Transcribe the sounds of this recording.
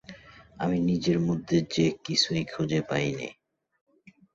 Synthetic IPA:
aminid͡ʑeɾmod̪ʱːed͡ʑekisʰujkʰud͡ʑepajnḭ

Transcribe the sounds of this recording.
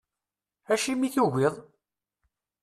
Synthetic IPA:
æʃimiθuʝɪðˤ

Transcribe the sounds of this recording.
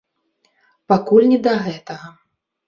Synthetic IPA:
pakulʲnʲɛd̪ɐɣɛt̪ɐɣɐ

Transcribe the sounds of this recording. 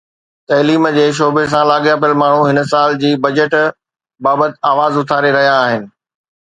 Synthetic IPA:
t̪ɐliːmd͡ʑeːʃ̬oːbes̬ãlaːɠjap̬ɐəlmaːɳ̤ũɦɪnsaːld͡ʑiːbɐd͡ʑəʈ | baːbət̪ɪaːʋaːzʊt̪ʰaːɾeɾɐɦijaːɦɪnɪ̆

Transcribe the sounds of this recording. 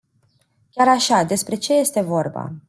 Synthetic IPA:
kʲaɾaʃad̪e̞spɾe̞t͡ʃe̞je̞st̪e̞vo̞rba̰

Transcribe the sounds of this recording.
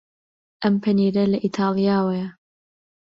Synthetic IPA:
ʔɐmpʰɐniːɾɐlɐʔit̪ʰaːlˠijaːwɐjɐ

